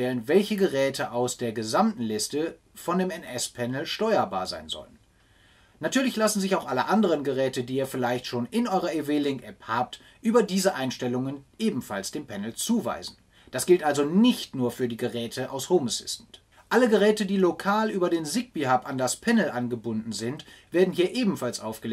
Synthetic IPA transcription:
ɛlənvɛlçəɡəʁɛːtʰəʔaʊsd̥eːɐɡəzamtn̩lɪstə | fɔndeːmɛnɛspʰɛnl̩ʃtɔʏɐba̰ːɐza̰ɪnzɔ̰lən | nːatʰyːɐlɪçlasn̩zɪçaʊxʔaləʔandəʁ̞ənɡəʁɛːtədiːiːɐfɪlaɪçtʃoːnɪnʔɔʏʁɐʔeveːlɪŋkʔɛphaːp̚t | ʔyːbɐdiːzəʔaɪnʃtɛlʊŋənʔeːbm̩falsd̥eːmpʰɛnl̩t͡suːva̰ɪzn̩ | d̥asɡ̥ɪltʔalzonɪçtnuːɐfyːɐdiːɡəʁɛːtʰəʔa̰ʊshomosɪ̰sn̩t | ʔaləɡəʁɛːtədiːlokʰaːlʔyːbɐdeːnzɪk̚b̥ihapandaspʰɛnl̩ʔanɡəbʊndn̩zɪntv̥eːɐdn̩hiːɐʔeːbm̩falsʔaʊfɡ̥əl

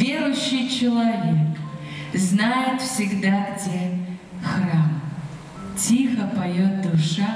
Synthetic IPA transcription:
vʲeɾʊɕːɪjt͡ɕɪlˠɐvʲekznajɪt̪fsʲɪɡd̪aɡdʲe | xram | tʲixɐpajot̪̚d̪uʂa

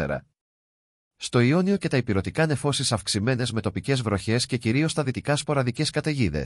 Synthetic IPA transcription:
ḛɾɐ̰ | st̪o̞io̞nio̞ce̞t̪ɐipiɾo̞t̪ikɐne̞fo̞sisɐfksime̞ne̞zme̞t̪o̞pice̞zvɾo̞çe̞sce̞ciɾio̞st̪ɐðit̪ikɐspo̞ɾɐðice̞skɐt̪e̞ʝiðe̞̰s

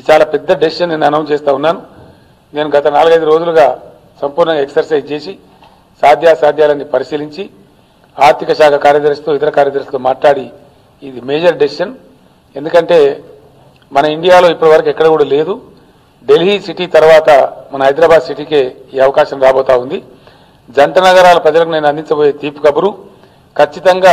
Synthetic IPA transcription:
id̪it͡ʃaːlaːpɛd̪ːɐɖesʃɐnnenɐnɐwt͡ʃeːst̪aːunːaːnu | ne̞ːnuɡɐt̪ɐnaːluɡɐjd̪uɾo̞ːd͡ʒuluɡaː | sɐmpuːɾnɐŋɡaeksɐɾsɐjd͡ʒt͡ʃe̞ːsi | saːd̪ʱjaːsaːd̪ʱjaːlɐnːipɐɾisiːliɲt͡ʃi | aːɾt̪ikɐʃaːkʰɐkaːɾjɐd̪ɐɾst̪o̞it̪ɐɾɐkaːɾjɐd̪ɐɾst̪o̞ːmaːʈlaːɽiː | d̪ime̞ːd͡ʒɐɾɖesʃɐn | e̞nd̪ukɐɳʈe̞ː | mɐnɐiɳɖijaːlo̞ːipːɐʈiʋɐɾɐkuɛkːɐɽɐkuːɽale̞ːd̪u | ɖe̞lɦiːsiʈit̪ɐɾʋaːt̪ɐmɐnɐɦɐjd̪ɾaːbaːd̪siʈ̬iːke̞ː | iːɐʋɐkaːʃɐmɾaːboːt̪aːund̪i | d͡ʒɐɳʈɐnɐɡɐɾaːlɐpɾɐd͡ʒɐlɐkuneːnɐnd̪iɲt͡ʃɐboːje̞ːt̪iːpu̥kɐbuɾu | kʰɐt͡ʃːit̪ɐŋɡaː

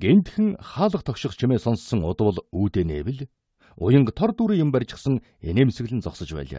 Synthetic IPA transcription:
ɡ̥ent̪xɘ̆ŋχaːɮə̆χt̪ʰɔkʃɪ̆χt͡ɕʰimeːsɔnsːə̆ŋʊt̪̆wə̆ɮuːt̪eːnḛːwɘ̆ɮ | ʊ̰jə̆ɴqt̪ʰɔrt̪uːɾiːjʊ̆mpærʲt͡ɕɪ̆χsə̆ŋ | eneːmisɘ̆ɣɮɘ̆nt͡sɔksɞ̆t͡ɕpæ̰ːɮa̰ː

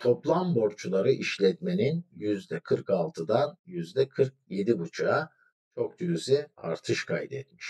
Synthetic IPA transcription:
t̪ʰo̞plˠambo̞ɾt͡ʃʰulˠaɾɯʔiʃlʲɛt̪me̞ninjyzd̪ɛkʰɯɾkalˠt̪ʰɯd̪anjyzd̪ɛkʰɯɾk̚je̞d̪ibut͡ʃʰaa | t͡ʃʰo̞k̚d̪yɾyzia̰ɾt̪ʰɯʃkʰajd̪ḛt̪̚miʃ

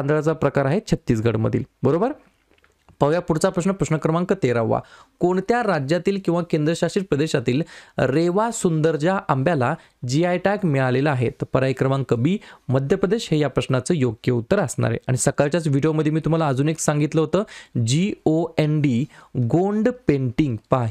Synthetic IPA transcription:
nd̪ɭat͡sapɾəkaɾaɦet͡ɕʰət̪ːiːsɡʱəɽmə̰d̪ʱḭːlbəɾobəɾ | pəʋjapuɽt͡sapɾəsnəpɾəɕnəkɾəmãŋkət̪eɾaʋʋa̰koɳt̪jaɾad͡ʑjat̪iːlkĩw̃ʋakend̪ɾəɕaɕiːpɾəd̪eɕat̪iːlɾeʋasund̪əɾd͡ʑjaʔambjala | d͡ʑiajʈakmɛɭaleləaɦet̪pəɾajkɾəmaŋkəbʱiːməd̪ʱjəpɾəd̪eɕɦejapɾəsnat͡səːjoɡjəut̪ːəɾəsɳa̰ɾḛʔaɽ̃isəkalt͡ɕjat͡sʋiɖijoməd̪ʱjemiːt̪um̤alaəd͡zuːneksaŋɡit̪ləɦot̪əːd͡ʑioenɖiɡoɳɖpeɳʈiŋɡpaɦi

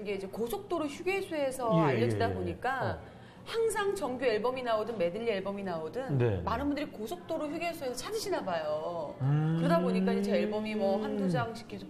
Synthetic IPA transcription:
nɡe̞id͡ʑe̞kosʰok̚t͈oɾoɭçjuɡesʰuɦe̞sʰʌaʎːʌd͡ʑidaboɲik͈a | haŋsʰaŋt͡ɕʌŋɡjue̞ɭbʌminaodɯnme̞dɯʎːie̞ɭbʌminaodɯnnḛmanɯnbundɯɾikosʰok̚t͈oɾoɭçjuɡeɭsʰuesʰʌt͡ɕʰad͡ʑiɕʰinabajo | kɯɾʌdaboɲik͈aid͡ʑet͡ɕeːɭbʌmimʌɦandud͡ʑaŋɕʰi̥kʰesʰo

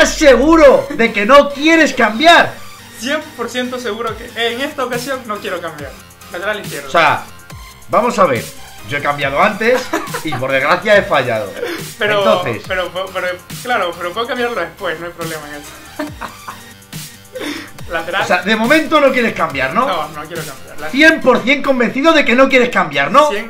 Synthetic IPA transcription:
asːe̞ɣuɾo̞ðe̞ke̞no̞kje̞ɾe̞skambjaɾ | sjempoɾθje̞nt̪oseɣuɾokeʔeːŋe̞st̪aokasjo̞ŋno̞kje̞ɾokambjaɾ | lat̪eɾalikjeɾðosea̰ | bamo̞saβ̞e̞̰ɾ | ɟ͡ʝo̞e̞kambjaðoant̪e̞sipo̞ɾðe̞zɣɾaθjae̞faʝa̰ðo̰peɾnot̪onθḛspeɾopepeɾoklaɾopeɾopweokambjaɾloðespwe̞snoajpɾolemaeŋest̪o̥ | lat̪eɾaoseaðe̞mõ̞mẽ̞nt̪ono̞kje̞ɾe̞skambjaɾnononokjeɾokambjaɾθje̞mpo̞ɾθje̞ŋko̞mbẽ̞nθiðoðe̞ke̞no̞k̬je̞ɾe̞skambjaɾno̞jeŋ

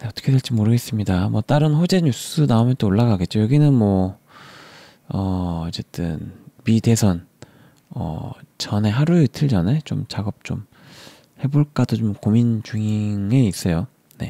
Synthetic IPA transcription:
ne̞ʌt͈ʌkʰe̞dweɭt͡ɕ͈imoɾɯɡe̞s͈ɯmɲidamwʌt͈aɾɯnɸod͡ʑe̞ɲus͈ɯnaumjʌnt͈ooɭːaɡaɡe̞t̚t͡ɕ͈ojʌɡinɯnmwʌ | ʌːt͡ɕ͈e̞t͈ɯ̰nmide̞sʰʌn | ʌ̰t͡ɕʌne̞ɦaɾuɯtʰɯɭd͡ʑʌne̞t͡ɕomt͡ɕaɡʌp̚t͡ɕ͈o̰m | he̞boɭk͈adot͡ɕomkomint͡ɕuŋiŋe̞is͈ʌjo | ne̞̰

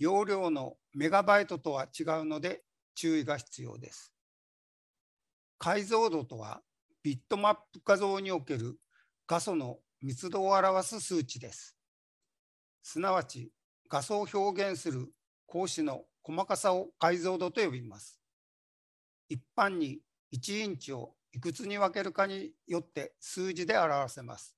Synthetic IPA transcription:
jo̞ːɾʲo̞ːno̞ | me̞ɡabait̪o̞t̪o̞β̞at͡ɕiɡaɯ̟no̞d̪e̞ | t͡ɕɨːiɡaçi̥t͡sɨjo̞̰ːd̪e̞̰sɨ̥ | kaizo̞ːd̪o̞t̪o̞β̞a̰ | b̥ʲit̪ːo̞mapːɯ̟̥kazo̞ːɲ̟io̞ke̞ɾɯ̟ | ɡ̥aso̞no̞ | mʲit͡sɨd̪o̞ːaɾaβasɨsɨːt͡ɕid̪e̞sɨ̥ | sɨnaβat͡ɕi | ɡ̥aso̞ːço̞ːɡẽ̞ɰ̃sɨɾɯ̟ | kʰo̞ːɕino̞ko̞makasaokaizo̞ːd̪o̞t̪o̞jo̞bʲimasɨ̥ | ipːãɲ̟ːi | it͡ɕiĩɲt͡ɕio̞̰ | ikɯ̟t͡sɨɲ̟iβake̞ɾɯ̟kaɲ̟ijo̞t̪ːe̞sɨːʑid̪e̞aɾaβase̞ma̰sɨ̥

